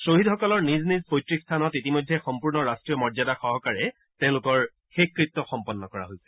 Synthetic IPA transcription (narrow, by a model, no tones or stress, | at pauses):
soɦidxɔkɔlɔɹniznizpojtɹikst̪ʰanɔtitimojdʱɛxɔmpuɹnɔɹastɹijɔmɔɹzadaxɔɦɔkaɹɛ | tẽʊ̃lʊkɔɹ | xekːɹip̚tːɔxɔmpɔnːɔkɔɹa̰ɦojsɛ̥